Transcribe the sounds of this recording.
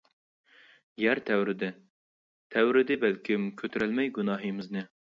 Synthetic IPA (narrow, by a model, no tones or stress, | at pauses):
jæɾt̪ʰæwɾɪd̪ɪ | t̪ʰæwɾɪd̪ɪbælkʲʰɪmkʲʰøt̪ʰɾælmɛjɡunɑːɦɨmɪznɨ